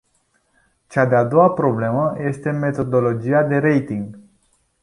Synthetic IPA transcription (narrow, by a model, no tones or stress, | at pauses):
t͡ʃad̪ead̪o̞apɾo̞ble̞məje̞st̪e̞me̞t̪o̞d̪o̞lo̞d͡ʒiad̪e̞ɾe̞jt̪iŋɡ